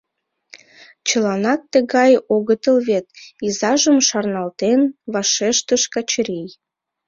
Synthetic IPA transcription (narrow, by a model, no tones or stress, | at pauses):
t͡ɕəlɑnɑk̚t̪əɣɑjoɣət̪əlβet̪izɑʒəmʃɑrnɑlt̪enβɑʃeʃt̪əʃkɑt͡ɕɾij